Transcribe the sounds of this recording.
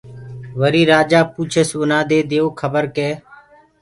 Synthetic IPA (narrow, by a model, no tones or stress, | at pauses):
ʋəɾiːɾaːd͡ʒaːpuːt͡ʃʰəsʊnaːd̪eːd̪ejoːkʰəbəɾkeː